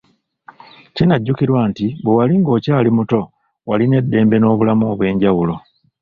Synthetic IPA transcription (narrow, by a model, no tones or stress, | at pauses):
cinaɟːukiɾwaːntiβewaliŋɡo̞ːcaːlimuto̞ | waline̞dːe̞ːmbe̞no̞ːβulamuːβwe̞ːɲɟawulo̞